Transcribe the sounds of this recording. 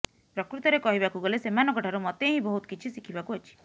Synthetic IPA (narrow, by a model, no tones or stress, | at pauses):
pɾɔkɾut̪ɔɾekɔɦibakuɡɔlesemanɔkɔʈʰaɾumɔt̪eɦĩbɔɦut̪ɔ̥kit͡ʃʰisikʰibakuɦɔt͡ʃʰi̥